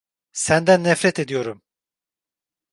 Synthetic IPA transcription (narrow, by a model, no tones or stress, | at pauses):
sænd̪ænːɛfɾɛt̪e̞d̪ijo̞ɾum